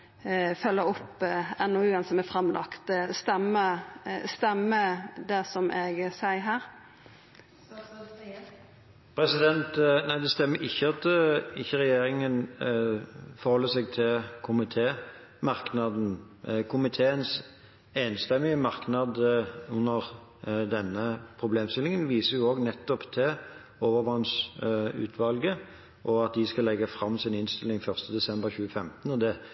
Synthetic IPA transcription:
fœlːəɔpːɛnɔʉːɛnsɔmæfɾɑmːlʔɑ̰kt̪st̪ɛmːəst̪ɛmːəd̪æsɔmʔeːɡsæɪɦæːɾ | pʰɾɛsɪd̪ɛnt̪næɪd̪ɛst̪ɛmːəɪçːəɑt̪ʰəɪçːəɾɛjeːɾɪŋən | fɔɾhɔlːəsɛɡt̪ʰɪlkʰʊmɪt̪ʰeː | mɑʁknɑd̪n̩ | kʰʊmɪt̪ʰeːəns | eːnst̪ɛmːɪəmɑʁknɑd̪ʉnːəʁ | d̪ɛnːəpʰɾʊbleːmst̪ɪlɪŋənʋiːsəʁjʊoːɡnɛt̪ːɔpt̪ʰɪl | oːʋəʁʋɑnsʉ̰ːt̪ʰʋɑlɡə | ʔɔɑt̪̚d̪ɪskɑlɛɡəfɾɑmːsɪnɪnst̪ɪlːɪŋfœʁst̪əd̪ɛsɛmbəʁçʉːəfɛmt̪nɔd̪ɛ

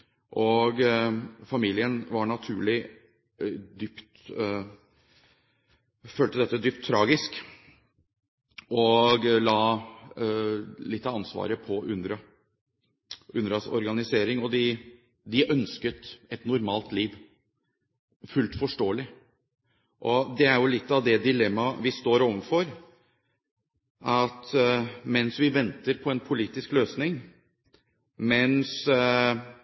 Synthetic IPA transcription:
ʔɔɡfɑmiːlɪənʋɑɳɑt̪ʰʉːɭɪ | d̪ʏpt̪ | føːlt̪əd̪ɛt̪ːəd̪ʏːpt̪ʰːɾɑːɡɪsk | ʔɔɡlɑː | lɪt̪ːəɑnsʋɑ̰ːɾəpʰɔʔʉnd̪ɾɑ | ʉnɾɑsɔ̰ɾɡɑnɪseːɾɪŋɔd̪ɪ | d̪ɪʔœnskət̪ɛt̪nʊɾmɑːlt̪liːʋ | fʉlt̪fɔʂʈoːəlɪ | ʔɔd̪ɛæɾjʊlɪt̪ːɑʋd̪ɛd̪ɪlɛmːɑʋɪst̪oːɾɔʋənfɔɾ | ʔɑt̪mɛnsʋɪʋɛnt̪əɾpʰɔɛnpʰʊliːt̪ɪskløːsnɪŋ | mɛns

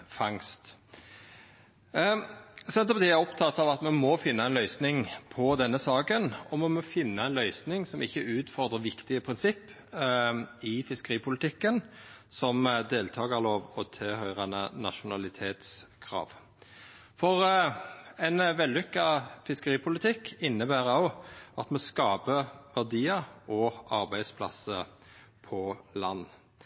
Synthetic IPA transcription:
fɑŋst̪ | sɛnt̪əɔpɑt̪iːæʁɔpt̪ʰɑt̪ːɑʋɑt̪mɛnmɔfɪnːɑɛɪnlœʏsnɪŋpʰɔd̪ɛnːəsɑːkənɔmɛmɔfɪnːəɛɪnlœʏsnɪŋsɔmʔɪçːəʉːt̪fɔʁd̪ʁəʋɪkt̪ɪəpʰʁɪnsɪpː | ɪfɪskəʁiːpʊlɪt̪ʰɪkːənsɔmd̪eːlt̪ʰɑːɡəʁloːʋɔt̪ʰɪhœʏʁɑnənɑ̰ʃʊnɑlɪt̪ʰeːt̪skʰʁɑ̰ːʋ | fɔʁ | ɛɪnʋɛld̪ʏkːɑfɪskəʁiːpʰʊlɪt̪ʰɪkːɪnːəbæːʁɑʊɑt̪mɔskɑːpəʋæʁd̪iːəɔɑɾbæɪspʰlɑ̰sə | pʰɔlɑnː

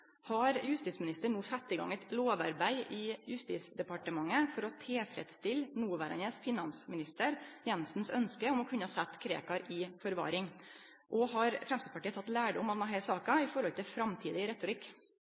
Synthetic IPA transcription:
hɑɾjʉst̪iːsmɪnɪst̪əɳuːsɛt̪ːɪɡɑ̰ŋɛt̪loːʋɑ̰ɾbæɪʔɪːjʉst̪ḭːsd̪ɛpɑʈəmɑŋːəfɔɾɔt̪ʰefɾɛ̰d̪st̪ɪlnuːʋæːɾɑ̰nəsfɪnɑnsmɪnɪst̪əɾjɛnsn̩sœnskəɔmɔkʰʉnːəhɑːsɛt̪ːkʰɾḛːkɑɾʔɪfɔɾʋɑ̰ːɾɪŋ | ʔɔhɑɾfɾɛmst̪id̪spɑʈiːət̪ʰɑt̪ːlæːɖəʊmɑt̪næɦæɪsɑːkɑɪfɔɾhɔlt̪ʰɪlfɾɑmt̪ʰiːd̪ɪɾɛt̪ʊɾɪk

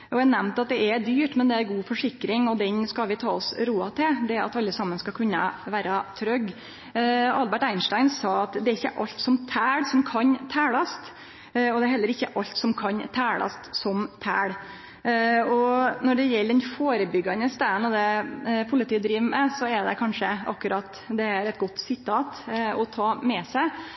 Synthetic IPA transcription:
ɔʋænɛmnt̪ɑt̪̚d̪ɛʔɛd̪yːʈmɛnd̪ɛæɾɡuːfɔʂɪkɾɪŋɔd̪ɛnskɑlʋɪt̪ʰɑːɔsɾuːɑt̪ʰɪld̪ɛæɾɑ̰t̪ɑlːəsɑmːənskɑkʰʉnːɑ̰ʋæːɾɑt̪ʰɾœɡ | ɑlbæʈæɪnʂʈæɪnsɑːɑt̪d̪ɛæɾɪçːəʔɑlt̪sɔmt̪ʰæːɽsɔmkʰɑnt̪ʰæːɭɑst̪ | ɔd̪ɛæɾɦɛlːəɾɪçːəʔɑlt̪sɔmkʰɑnt̪ʰæːɭɑ̰st̪sɔmt̪ʰæ̰ːɽ | ɔnɔɖɛjɛlːd̪ɛnfoːɾəbʏɡɑnəst̪æːnɔd̪ɛpʰʊlɪt̪iːd̪ɾiːʋmɛsɔɛɖ̪ɛkʰɑnʂəɑkːʉɾɑt̪ː | d̪ɛæɾɛt̪̚ɡɔt̪ːsɪt̪ʰːɑːt̪ɔt̪ʰɑːmɛsæɪ

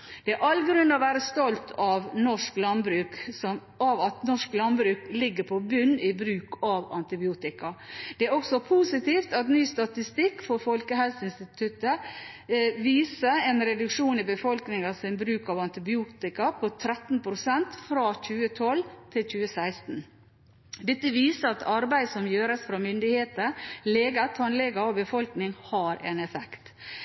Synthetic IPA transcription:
d̪̥ɛæɾɑlɡɾʉnːɔʋæːɾəst̪ɔlt̪ʰɑʋnɔʂklɑnbɾʉːksɔm | ɑʋɑt̪nɔʂklɑnbɾʉːklɪɡːəpʰɔbʉnːɪbɾʉːkɑʋɑ̰nt̪ɪbɪuːt̪ɪkɑd̪̥ɛæɾɔksɔpʰusɪt̪iːft̪ɑt̪nyːst̪ɑt̪ɪst̪ɪkːfɔɾfɔlkəɦɛlsəɪnst̪ɪt̪ʰʉt̪ə | ʋiːsəɛːnɾɛd̪ʉkʂuːnɪbəfɔlknɪŋɑsɪnbɾʉːkɑʋɑnt̪ɪbɪuːt̪ɪkɑpʰɔt̪ʰɾɛt̪n̩pʰɾʊsɛnt̪fɾɑçʉːət̪ʰɔlt̪ʰɪlçʉːəsæɪst̪n̩ | d̪ɛt̪ːəʋiːsəɑt̪ʰɑɾbæɪsɔmjøːɾəsfɾɑmʏnd̪ɪheːt̪əlɛːɡət̪ʰɑnlɛɡɑobəfɔlknɪŋhɑːɾʔɛ̰nɛfɛkt̪

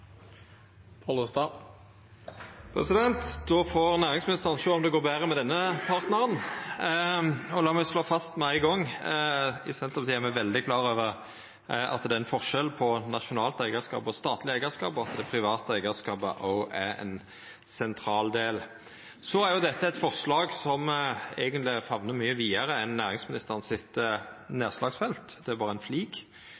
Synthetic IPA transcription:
pʰɑlust̪ɑ | pʰɾɛsɪd̪ɛnt̪d̪̥ɔfɔʁnæːʁɪŋsmɪnɪst̪əʁənsoːɔmd̪ɛɡoːʁbæːʁəmɛd̪ɛnːəpʰɑʁt̪nəʁən | ɔlɑːmæsloːfɑst̪mɛæɪɡɔŋː | ɪsɛnt̪ʁəpsiːæɾmæʋɛld̪ɪkʰlɑːɾøːʋəʁ | ɑ̰t̪d̪ɛæɛnfɔʁʃɛlpʰɔnɑʃʊnɑːlt̪æɪɡəskɑ̰ːpɔst̪ɑːt̪lɪæɪɡəʁskɑ̰ːpɔɑt̪d̪ɛpʰʁɪʋɑːt̪əæɪɡəskɑːpə̰ʔɔæɾɛ̰n | sɛnt̪ʰɾɑːld̪eːl | sɔæɾjʊd̪ɛt̪ʰːəɛt̪fɔʁʂlɑːɡsɔmæɪɡənt̪lɪfɑʋnəmyːəʋiːəɾəɛnːæːʁɪŋsmɪnɪst̪əʁənsɪt̪neːʁslɑːɡsfɛlt̪d̪ɛæɾbɑːʁəæɛnfliːɡ

